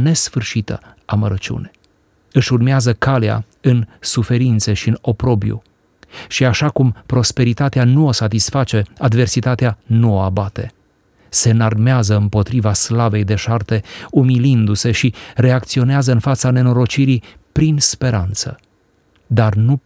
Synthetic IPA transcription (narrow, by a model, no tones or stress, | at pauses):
ne̞sfɨrʃit̪ə̰ | aməɾət͡ʃṵne̞̥ | ɨʃurmeazəkalea̰ | ɨnsufe̞ɾint̪se̞ʃiɨno̞pɾo̞bjṵ | ʃiaʃakumpɾo̞spe̞ɾit̪at̪eanuo̞sat̪isfat͡ʃe̞ad̪ve̞rsit̪at̪eanuoabat̪e̞ | se̞narmeazəɨmpo̞t̪ɾivaslave̞jd̪e̞ʃart̪e̞umilind̪use̞ʃiɾe̞ak̚t̪sio̞neazəɨnfat̪sane̞no̞ɾo̞t͡ʃiɾipɾinspe̞ɾant̪sə̰ | d̪arnu